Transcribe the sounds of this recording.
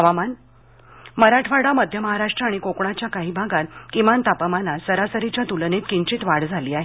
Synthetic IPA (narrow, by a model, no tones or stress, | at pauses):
əʋaman | məɾaʈʰʋaɽaməd̪ʱjəməɦaɾaʂʈɾəaɽ̃ikokɳ̃at͡ɕjakaɦiːbʱaɡat̪kimant̪apəmanasəɾasəɾit͡ɕjat̪ulənet̪kiɲt͡ɕit̪ʋaɽd͡zʱaliːaɦe